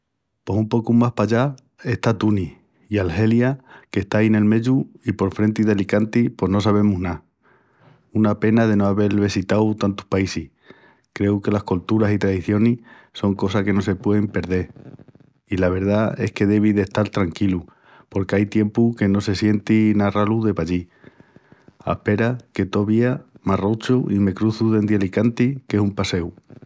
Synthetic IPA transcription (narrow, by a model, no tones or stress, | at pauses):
pwo̞sumpo̞kumaspaʎa | e̞ht̪at̪uni | ialhe̞ljake̞ht̪ajne̞lme̞ʎuipo̞ɾfɾe̞nt̪iðe̞likant̪ipo̞ɦno̞saβ̞e̞muɦna | unape̞nað̞e̞noaβe̞lβesit̪awt̪ant̪u̥paisih | kɾe̞uke̞lahkolt̪uɾasit̪ɾaðiθjo̞ni | so̞ŋko̞sake̞no̞se̞pwe̞ðempe̞ɾðe̞ɾ | ilaβ̞e̞ɾðae̞̰hke̞ðe̞β̞iðe̞ht̪alt̪ɾaŋkilu | po̞ɾkeajt̪je̞mpuke̞no̞se̞sje̞nt̪inaraluðe̞paʎi | a̰hpe̞ɾake̞t̪o̞βiamarot͡ʃuime̞kɾuθuðe̞nd̪jalikant̪ike̞sumpase̞w